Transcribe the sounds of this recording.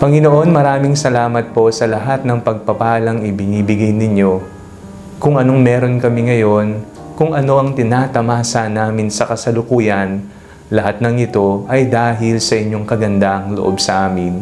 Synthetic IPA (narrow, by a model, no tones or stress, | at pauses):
pɐŋɪno̞ʔo̞nmɐɾaːmɪŋsɐlaːmɐt̪̚po̞sɐlɐɦat̪̚nɐŋpɐɡ̚pɐpaːlɐŋɪbɪnibɪɡajnɪɲo̞ | kʊŋʔɐno̞ŋmɛːɾo̞nkɐmɪŋɐjo̞n | kʊŋʔɐno̞ʔɐŋt̪ɪnaːt̪ɐmaːsɐnaːmɪnsɐkɐsɐlʊkuːjɐn | lɐɦat̪̚nɐŋɪt̪o̞ʔɐjd̪aːɦɪlsɐʔɪɲjo̞ŋkɐɡɐnd̪aʔɐŋloʔo̞bsɐʔaːmɪn